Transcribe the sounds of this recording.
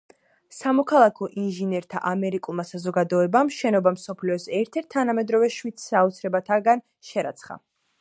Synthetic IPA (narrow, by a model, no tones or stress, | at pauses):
samɔkʰalˠakʰɔʔinʒinɛɾt̪ʰa̰ʔamɛɾikʼulˠmasazɔɡad̪ɔɛbamʃɛnɔbamsɔpʰliɔsɛɾt̪ʰɛɾt̪ʰːanamɛd̪ɾɔvɛʃwit̪saɔt̪sʰɾɛbat̪ʰaɡan | ʃɛɾa̰t̪sʰχa̰